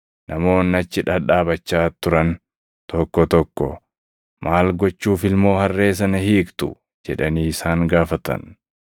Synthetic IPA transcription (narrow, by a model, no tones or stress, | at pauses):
nʔɐmo̞ːnːɐt͡ʃːɪᶑɐᶑaːbɐt͡ʃːaːt̪ʊɾɐn | t̪ɔkːɔt̪ɔkːɔ̰ | mʔaːlɡɔt͡ʃːuːfɪlmo̞ːhɐrːe̞ːs̬ɐnɐhiːkt̪ʊ̰ | d͡ʒɛᶑɐniːɪsaːŋɡaːfɐt̪ɐ̰n